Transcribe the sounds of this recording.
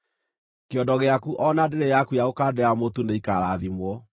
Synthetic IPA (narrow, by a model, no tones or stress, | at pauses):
keɔdɔɣeakuʔɔnadeɾejakujaɣokaːdɛamotuneikaɾaːðimwɔ